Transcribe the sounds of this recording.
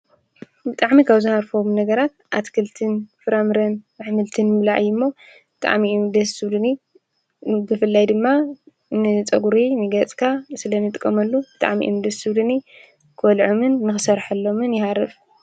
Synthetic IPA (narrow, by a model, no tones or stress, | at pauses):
bɨt̪ʼaʕmikʰaβzɨhaɾfomnɐɡɐɾat̪̚ʔat̪kʰɨlt̪ʰɨnfɨɾamɾɐnmɨħmɨlt̪ʰɨnmlaʕjɨmːo̞ | b̥ɨt̪ʼa̰ʕmiumd̪ɐsɨβlɨni | bɨfɨlːajd̪ɨmːa | nɨt͡sʼɐɡuɾinɨɡɐt͡sʼkʰasɨlɐnɨt̪ʼɨkʼːɐmɐlːub̥ɨt̪ʼa̰ʕmḭʔṵmd̪ɐsɨβlɨni | kʰwɐlʕomɨnːɨxɨsɐɾħɐlːo̞mɨnjɪhaɾɐf